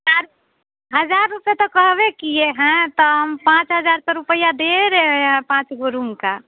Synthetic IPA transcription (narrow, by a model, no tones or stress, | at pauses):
ɦaɾ | ɦəd͡ʒaɾːupet̪ɔkəɦbekijeɦɛ̃t̪ɔɦəmpãt͡ʃɦəd͡ʒaːɾt̪əɾupəjad̪eɾeeɦɛ̃pãːt͡ʃɡoɾumka